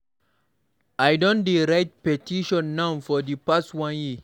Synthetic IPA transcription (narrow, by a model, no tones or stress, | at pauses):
ajdɔ̃ndeɾajt̚pɛtiʃɔ̃nːãwfɔdipastwãnji